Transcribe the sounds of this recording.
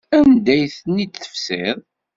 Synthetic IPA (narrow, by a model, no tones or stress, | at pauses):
ænd̪æjθnːiə̥fsɪðˤ